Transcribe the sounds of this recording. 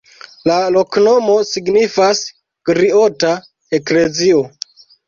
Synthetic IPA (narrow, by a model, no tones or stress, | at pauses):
lalo̞kno̞mo̞siɡnifas | kɾiota | ekle̞zio